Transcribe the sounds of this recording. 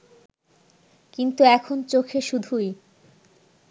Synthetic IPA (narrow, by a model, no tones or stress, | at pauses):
kint̪uɛkʰont͡ɕokʰeʃud̪ʱuj